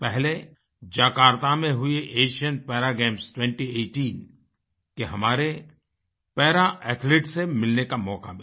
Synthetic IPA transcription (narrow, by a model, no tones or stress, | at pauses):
pɛɦle | d͡ʒaːkaːɾt̪amẽɦʊeʔeːʃijənpɛːɾaɡẽːmsʈwɛ̃ɳʈieːʈiːn | keɦɐmaːɾe | pɛːɾaʔɛːt̪ʰleːʈsemɪlnekamɔːka̰mɪ